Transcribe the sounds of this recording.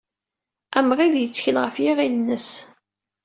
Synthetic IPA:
æmʁiljət͡sːçəlʁəfjiʁilnːəs

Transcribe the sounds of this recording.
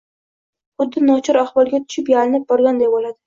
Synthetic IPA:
ʊd̪ːɪnɒt͡ʃʰɪɾahvɒlˠɡʲat̪ʰʊ̥ʃɪpjalɪnɪp̚bɒɾɡʲand̪ajbolad̪ɪ

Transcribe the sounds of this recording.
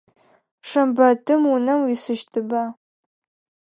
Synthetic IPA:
ʂɐmbɐtʰɨmunɐmwisɨʃtʰɨbaː

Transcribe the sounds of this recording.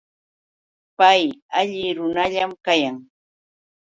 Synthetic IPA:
pajaʎɪɾʊnaʎamkajaŋ

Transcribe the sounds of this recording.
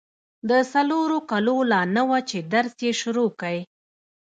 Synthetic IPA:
d̪əsaloɾokalolɑnəwat͡ʃed̪aɾsjeʃʊɾokaj

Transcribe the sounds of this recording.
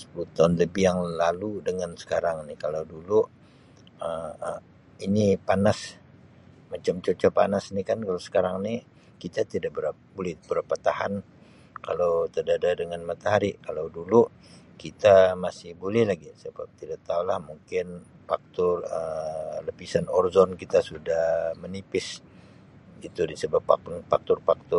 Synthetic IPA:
sə̥pulut̪anləbijaŋlaludəŋansə̥kaɾaŋnikalawdulu | əə | inipanas | mat͡ʃamt͡ʃot͡ʃɔpa̰nasnikankalawsə̥kaɾaŋni | kit̪at̪idaʔbəɾa | bolɛhbəɾapat̪ahan | kalawt̪ərdadadəŋanmat̪aɦaɾikalawdulu | kit̪amasɪhbulɛhlaɡisəba̰p̚t̪idaʔ̚t̪aulahmuŋkɪn | fak̚t̪ʊrələpisanɔrzɔnkit̪asudahmənipɪs | it̪udisəbapafak̚t̪ʊrfak̚t̪ʊ

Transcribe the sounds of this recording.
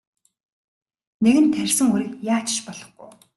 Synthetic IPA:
neɣɘ̆nt̪ʰːærʲsɘ̆ŋɵɾĭkjaːt͡ɕɪ̥̆ʃpɔɮɞ̆χɡuj

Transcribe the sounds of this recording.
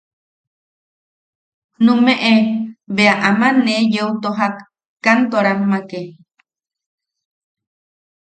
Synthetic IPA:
nũmeʔeβeaʔamanejeut̪oɦakː | ant̪oɾamːake

